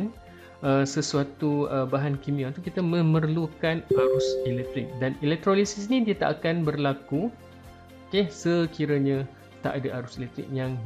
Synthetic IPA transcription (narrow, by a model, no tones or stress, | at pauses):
n | ʔəsəsuat̪uəbaɦankimĩat̪ukit̪amə̃mərlukanaɾʊsɛlɛk̚t̪ɾɪk̚danilɛk̚t̪ɾolisisnĩdiət̪a̰ʔakanbərlaku | okesəkiɾaɲã | t̪a̰ʔadaʔaɾʊselɛk̚t̪ɾɪ̰k̚jaŋ